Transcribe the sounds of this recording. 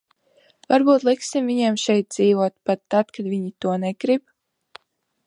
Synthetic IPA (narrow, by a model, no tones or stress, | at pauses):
vaɾbuːt̪lˠiksimviɲiɛmʃɛjt̪̚d̪ziːvuɔt̪̚pat̪ːat̪kad̪viɲit̪uɔnɛɡɾib